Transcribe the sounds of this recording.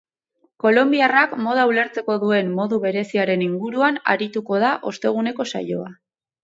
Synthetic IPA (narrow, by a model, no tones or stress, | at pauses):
ko̞lo̞mbiarakmo̞ð̞auleɾt͡se̞ko̞ðue̞mːo̞ðuβe̞ɾe̞siaɾe̞niŋɡuɾuana̰ɾit̪uko̞ð̞aʔo̞st̪e̞ɣ̞une̞ko̞sa̰jo̞a